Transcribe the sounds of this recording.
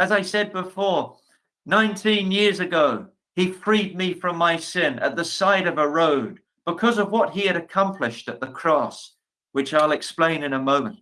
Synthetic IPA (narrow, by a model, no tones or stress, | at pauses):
ɨzaɪsɛd̚bəfɔɹ | nãɪ̃ntʰĩnjɪɹzɨɡoʊ | ifɹid̚mifɹʌ̃mːaɪsɪ̃nɨ̰t̪̚ðɨsaɪɾʌvəɹoʊd̚ | b̥ɨkʰʌzʌvwʌt̚ɦiɨɾɨkʰʌ̃mpʰlɨʃtɨt̪̚ðəkʰɹ̥ɔs | wɨt͡ʃaɪlˠɨksplẽɪ̃nɨ̃nəmõʊ̃mə̃nt̚